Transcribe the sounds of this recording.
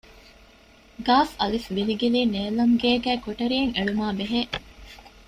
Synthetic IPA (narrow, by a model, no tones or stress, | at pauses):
ɡaːfɐlifʋiliɡiliːneːlɐŋɡeːɡæːkoʈɐɾieŋeɭumaːbeɦe